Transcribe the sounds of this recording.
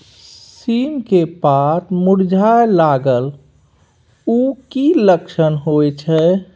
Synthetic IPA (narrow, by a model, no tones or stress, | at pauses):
simkepat̪muɽd͡ʒʱaelaɡəl | ukiləkʃənɦoɛt͡ʃʰɛ